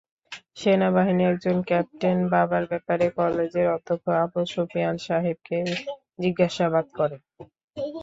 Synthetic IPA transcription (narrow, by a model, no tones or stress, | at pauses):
ʃenabaɦiniɛk̚d͡ʑonkɛp̚ʈenbabaɾbɛpaɾekɔled͡ʑeɾɔt̪ʰokʰoapoʃofijanʃaɦib̚ke | d͡ʑiɡːaʃabad̪kɔɾe